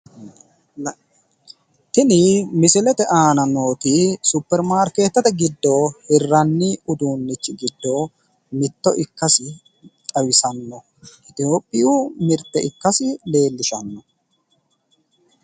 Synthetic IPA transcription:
t̪ɪnɪmɪsɪlɛt̪ɛʔaːnɐno̞ːt̪isupːɛɾmaːɾke̞ːt̪ːɐt̪ɛɡɪd̪ːohɪrːɐnːɪʊd̪uːnːɪt͡ʃːɪɡɪd̪ːo | mɪt̪ːɔʔɪkːɐsɪ | t̪ʼɐwɪsɐnːɔ | ʔɪt̪ɪjo̞ːpʼːɪjuːmɪɾt̪ːɛɪkːɐsɪle̞ːlːɪʃɐnːɔ

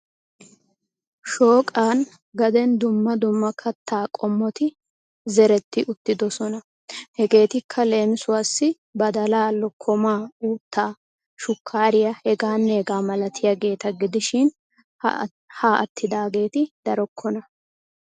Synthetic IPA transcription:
ʃo̞ːkʼaːn | ɡɐd̪ɛnd̪ʊmːɐd̪ʊmːɐkʰɐt̪ːaːkʼɔmːɔt̪ɪ | zɛɾɛt̪ːɪʔʊt̪ːɪd̪ɔsɔnɐ | hɛɡe̞ːt̪ɪkʰːɐle̞ːmɪsʊwaːsːɪ | bɐd̪ɐlaːlɔkʰːɔmaːuːt̪ːaː | ʃʊkʰːaːɾɪjɐhɛɡaːnːɛːɡaːmɐlɐt̪ʰɪjɐɡe̞ːt̪ɐɡɪd̪ɪʃɪn | haːʔɐt̪ːɪd̪aːɡe̞ːt̪ɪd̪̥ɐɾɔkʰːɔnɐ

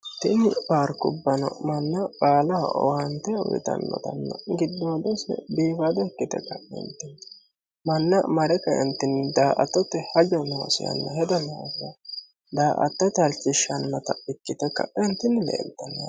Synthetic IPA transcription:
t̪ɪnɪbaːɾkʊbːɐnɔ̰mɐnːɐkʼaːlɐɔ̰hɐnt̪ɛʊ̰jɪ̰t̪ɐ̰nːɔ̰d̪ɐ̰nːɐ̰ɡɪd̪ːoːd̪ɔsɛ̰biːbɐd̪ɔkːɪt̪ɛ̰kːɐɪ̰nt̪ːɪn | mɐnːɐmɐɾɛkːɐɛ̰nt̪ːɪnd̪aːʔɐ̰t̪ːɔt̪ːɛhɐd͡ʒɔnɔwɐ̰sɪ̰jɐ̰nːɐɦɛd̪ɐnɐɡɐ | d̪aːʔɐ̰t̪ːɐt̪ɐlt͡ʃːɪʃɐnːɐt̪ɐɪkːɪt̪ɛkːɐ̰ɪnt̪ːɪnlɛ̰ːlt̪ːɐnɐ

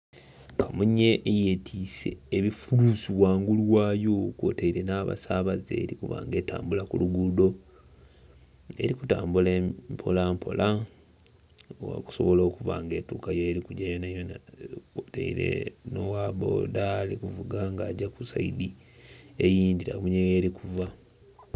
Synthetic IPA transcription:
kamuɲːe̞ʔːjetʰiːse̞ːβifulusiwaːŋɡuluwaːjokwo̰teiɾe̞naːβa̰saːβazḛːɾikuva̰ːŋɡe̞ːta̰ːmbulakuluɡudo̞ | e̞̰ɾikuta̰ːmbulepʰo̞lampʰo̞̰lʔa | ku̥so̞̰βo̞lo̞ːkuva̰ŋɡe̞ːtukajeːɾikuɟajonajonakotḛḭɾḛnowaːβo̰ːdalikuvuɡaŋɡaːɟakusa̰idi | ejiːndiɾa̰muɲejeɾikʰuva

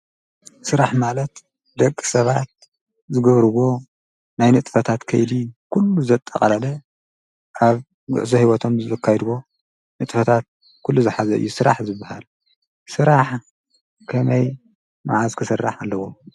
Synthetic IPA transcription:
sɨɾaħmalɐt̪ | d̪ɐkʼːisɐβat̪̚ | zɨɡɐβɾɨβo̞ | najnɨt̪ʼfɐt̪ʰat̪kʰɐjd̪ikʰulːuzɐt̪ʼːɐχʼɐlɐlɐ | ʔaβ | ɡʊ̰ʔzɐhiwɔt̪ʰo̞mzɨzɐkʰːajd̪wo̞ | nɨt̪ʼfɐt̪ʰat̪̚ | kʰulːuzɨħazɐʔɨ̰jːusɨɾaħzɨbːaha̰l | sɨɾaħ | kʰɐmɐj | ma̰ʕazkʰɨsɨrːaħalːɐwo

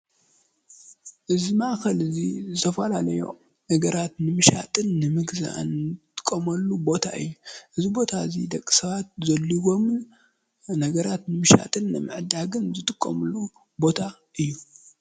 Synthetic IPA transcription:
ʔɨzimaxɐlɨzizɨt̪ʰɐfɐlalɐjo̞̰ | nɐɡɐɾat̪nɨmɨʃa̰t̪ʼɨnːɨmɨɡza̰ʔnt̪ʼɨ̥kʼːɐmɐlːubo̞t̪ʰa̰ɨ̰jːuʔɨzibo̞t̪ʰaɨzid̪ɐkʼːi̥sɐβat̪̚zɐlːiɡom | nɐɡɐɾat̪nɨmɨʃa̰t̪ʼɨnːɨmɨ̰ʕɨd̪aɡɨnzɨt̪ʼɨkʼːɐ̰mɨlːu | bo̞t̪ʰa | ʔɨjːu

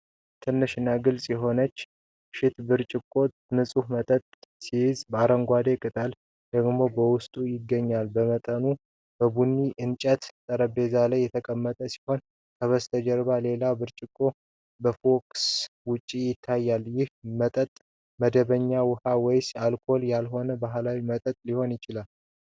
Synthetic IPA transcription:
t̪ʰɨnːɨʃɪnːaɡɨlsʼjɛɦo̞nət͡ʃː | ʃɪt̪bɨɾt͡ʃʼɪkʼːo̞ | nɨsʼuhmət̪ʼət̪ʼsijɪzbaɾəŋɡʷad̪e̞kʼɨt̪ʼal | d̪əɡmo̞bəwʊst̪ʼujɪɡːəɲːalbəmət̪ʼənu | b̥əbunːiʔɨnt͡ʃʼət̪t̪ʼːəɾəbe̞zalajːɛt̪ʰəkʼəmːət̪ʼəsi̥ho̞n | kʰəβəst̪ʰəd͡ʒəɾbale̞labɨɾt͡ʃʼɪkʼːo̞ | bəfo̞kswʊt͡ʃʼːijɪt̪ʰːajːaljɪhmət̪ʼət̪ʼ | məd̪əβəɲːawʊhawɛjsalkʰo̞ljalɦo̞nəbaɦlawimət̪ʼət̪ʼliho̞njɪt͡ʃɪlal

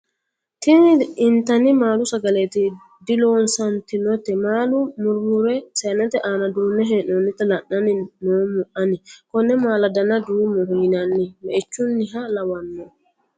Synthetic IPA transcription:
tinʔintanimalusaɡaleti | dilɔnsantinɔtɛmalumuɾmuɾɛsɛnɛtɛʔanadunɛɦɛnɔnitalanːaninɔmɔʔanikɔnɛmaladanadumuɾhinanːimɛːt͡ʃunːiɦalawanːɔ

